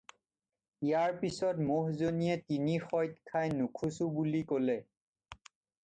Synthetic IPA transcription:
ijaɹpisɔtmoɦzoniɛtinixɔjtkʰajnukʰusubulikolɛ

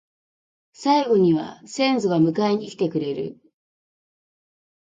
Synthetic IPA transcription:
saiɡo̞ɲ̟iβa̰sẽ̞nzoɡamɯ̟kaiɲ̟iːkʲi̥t̪e̞kɯ̟ɾe̞ɾɯ̟̰

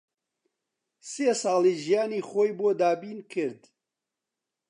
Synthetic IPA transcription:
sesɑːlˠiʒijaːniːxoːjboːd̪aːbiːnkʰɨɾd̪

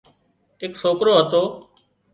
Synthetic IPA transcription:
ɪksoːkɾoːɦət̪oː

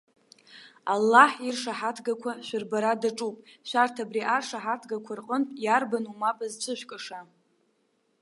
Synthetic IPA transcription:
alːaħirʂaħatʰɡakʷʰaʃʷᶣɪrbaɾadaʈ͡ʂʼupʼʃʷartʰabriʔarʂaħatʰɡakʷʰarqʼənpʼjarbanumapʼɨzt͡ʃʷʰɨʃʷᶣkʼaʂa

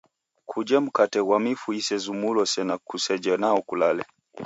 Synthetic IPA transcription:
kʰud͡ʒɛm̩katɛwamifuisɛzumulɔsɛnakusɛd͡ʒɛnaɔkulalɛ

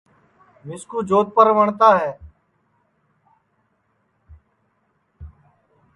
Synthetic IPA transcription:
mɪskuːd͡ʒoːt̪̚pəɾʋəɳt̪aːɦɛː

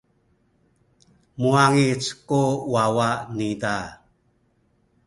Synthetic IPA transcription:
muaŋit͡skuwawaʔnida

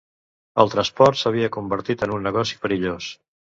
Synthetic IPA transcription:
əlˠt̪ɾəspɔɾt̪səβiəkumbəɾt̪it̪ənunːəɣɔsi̥pəɾiʎos

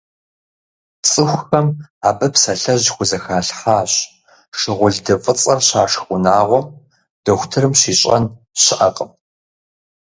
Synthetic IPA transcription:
t͡sʼɨxʷxɐmaːbɐpsɐɬɐʑxʷʊzɐxaːɬħaːɕ | ʂɪʁʷʊɮdɐfʼɨt͡sʼɐrɕaːʂxʷʊnaːʁʷɔ | d̥ɐxʷtʰɨɾɨmɕiːɕʼɐ̰n | ɕɪʔɐ̰qʼəm

